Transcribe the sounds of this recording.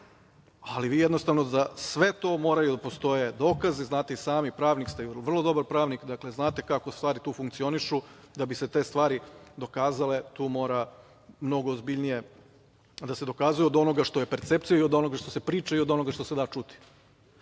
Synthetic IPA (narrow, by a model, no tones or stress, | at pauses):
aliʋiːjed̪no̞st̪aʋnod̪asʋe̞t̪o̞ːmo̞ːɾajud̪apo̞st̪o̞je̞d̪oːkaziznaːt̪eisaːmipɾaːʋnikst̪eiʋr̩lˠo̞d̪o̞baɾpɾaːʋnikd̪akle̞znaːt̪e̞kako̞st̪ʋaːɾit̪uːfuŋk̚t̪sio̞niʃud̪abise̞t̪e̞ːst̪ʋaːɾid̪o̞kaːzale̞t̪uːmo̞ːɾa | mno̞ɡoːzbiʎnije̞ | d̪ase̞d̪o̞kaːzujuod̪o̞noɡaʃt̪o̞je̞peɾt̪se̞p̚t̪sijaio̞d̪o̞no̞ɡaʃt̪o̞sepɾiːt͡ʃaiod̪o̞no̞ɡaʃt̪o̞se̞d̪at͡ʃut̪i̥